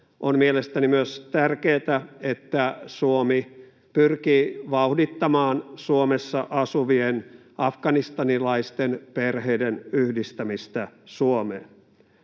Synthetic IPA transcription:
ʔonmielest̪ænimyøst̪ærkeːt̪æet̪ːæsuomi | pyrkiːʋɑuhdit̪ːɑmɑːnsuomesːɑʔɑsuʋien | ʔɑfɡɑnist̪ɑnilɑist̪enperheidenyhdist̪æmist̪æsuomḛːn

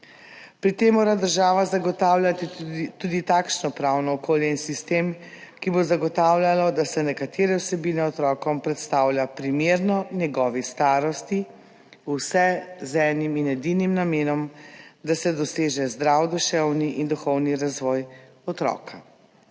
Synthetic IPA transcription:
pɾit̪emːoːɾad̪əɾʒaːʋazaɡɔt̪aːwlʲjat̪it̪ud̪it̪akʃnɔpɾawnɔːkoːljɛinsist̪eːmkibozaɡɔt̪aːwlʲjalɔd̪asɛnɛkat̪ʰeːɾɛwsɛbiːnɛɔt̪ɾɔːkɔmpɾɛt̪st̪aːwlʲjapɾimeːɾnɔnjɛɡɔːʋist̪aːɾɔst̪i | usɛzɛniminɛd̪inimnameːnɔmd̪asɛd̪ɔseːʒɛzd̪ɾawd̪uʃɛwniʔind̪uxɔwniɾazʋɔːj | ɔt̪ɾɔ̰kʰa

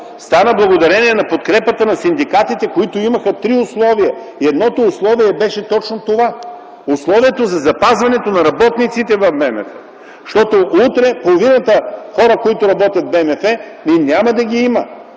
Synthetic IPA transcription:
st̪anəblˠɐɡod̪ɐɾɛniɛnɐpot̪kɾɛpət̪ənɐsind̪ikat̪it̪ɛkoit̪oimɐxət̪ɾiʊslˠɔviɐ | iɛd̪nɔt̪oːslˠɔviɛbɛʃɛt̪ɔt͡ʃnot̪ova | ʊslˠɔvijɛt̪ozɐzɐpazvɐnɛt̪onɐɾɐbɔt̪nit̪sit̪ɛvɐfbɛmɛ̰fɛ | ʃt̪ɔt̪oʔut̪ɾɛpolˠovinɐt̪əxɔɾəkoit̪oɾɐbɔt̪ʲjɐt̪̚bɛmɛfɛ | niinʲamɐd̪ɐɡʲiimɐ

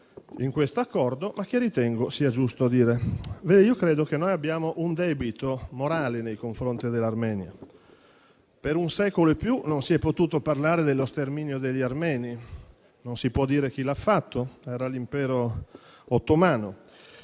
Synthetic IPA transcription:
iŋkwest̪oakːɔrd̪omak̟ːerit̪ɛŋɡosiːad͡ʒust̪oad̪iːɾeveːd̪iːokɾeːd̪ok̟enːojabːjaːmoʔund̪ɛːbit̪omoɾaːlenejkoɱfɾont̪id̪elːarmɛːnja̰ | peɾunsɛːkoloepːjunonsiɛpːot̪uːt̪oparlaːɾed̪elːost̪ermiːnjod̪eʎːiarmɛːni | nonsipwɔd̪ːiːɾek̟ilafːat̪ʰːoɛːɾalimpɛːɾo | ot̪ːomaːno

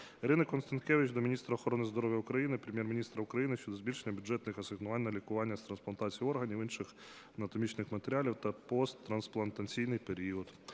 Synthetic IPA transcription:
iɾɪnɐkɔnst̪ɐnt̪kɛʋʲɪt͡ʃd̪ɔmʲinʲist̪ɾɐːxɔɾɔnɪzd̪ɔɾɔʋʲjɐukɾɐjinɪpɾʲemʲjɛrmʲinʲist̪ɾɐʊkɾɐjinɪʃt͡ʃɔd̪ɔzbʲilʲʃenʲːɐbʲʊd͡ʒɛt̪nɪxɐsɪɣnʊɑnʲnːɐlʲikʊʋɑnʲːɐst̪ɾɐnsplˠɐnt̪ɑt͡sʲijiɔrɦɐnʲiʋinʃɪx | ɐnɐt̪ɔmʲit͡ʃnɪxmɐt̪eɾʲalʲiwt̪ɐpɔst̪ːɾɐnsplˠɐnt̪ɐt͡sʲijnɪjpeɾʲiɔd̪

